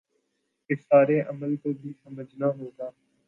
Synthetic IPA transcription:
kɪsaːɾeːʔəməlt̪oːbʱiːsəməd͡ʒʱnaːɦoːd̪aː

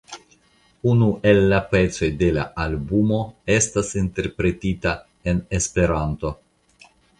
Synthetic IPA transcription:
unuʔe̞lːape̞t͡so̞jde̞la̰ʔalbumo̞e̞stasinte̞ɾpɾe̞tita | e̞ne̞spe̞ɾanto̞

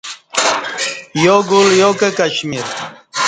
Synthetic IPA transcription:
joɡoljoːkekɐɕmiɾ

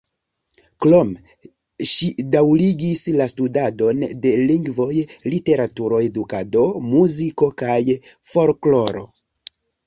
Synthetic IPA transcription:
klo̞m | ʃidawliɡislastudado̞nde̞liŋɡvo̞jlite̞ɾatuɾo̞e̞dukado̞muziko̞kaj | fo̞ɾklo̞ɾo̞̰

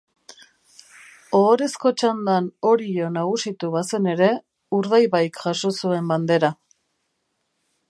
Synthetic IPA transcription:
oːɾe̞sko̞t͡ʃand̪ano̞ɾio̞naɣ̞usit̪uβase̞ne̞ɾe̞ | uɾð̞ajβajkʝaʃo̞sue̞mband̪e̞ɾa

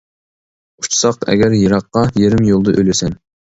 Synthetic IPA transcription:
u̥t͡ʃʰsɑqɛ̰ɡʲæɾjɑɾɑqːɑjeɾɪmjolˠd̪ɨʔøjlɪsɛn

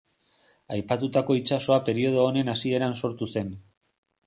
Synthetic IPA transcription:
ajpat̪ut̪ako̞it͡ʃaso̞ape̞ɾio̞ð̞o̞ːne̞nasie̞ɾanso̞ɾt̪use̞n

